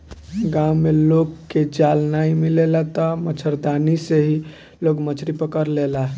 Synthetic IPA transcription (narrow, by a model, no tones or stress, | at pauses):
ɡãwmelokkːed͡ʒalnaimilelat̪ɔmət͡ʃʰəɾd̪aniseɦi | loɡmət͡ʃʰɾipəkəɾlelaɦ